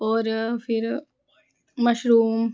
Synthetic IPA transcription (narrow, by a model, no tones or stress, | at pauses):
oːɾfʰiɾ | mɐʃɾuːm